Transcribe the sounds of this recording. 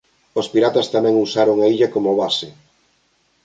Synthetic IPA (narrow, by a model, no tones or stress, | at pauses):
ospiɾat̪ɐst̪amɛ̃ŋusaɾoŋaiʎɐkomoβasɪ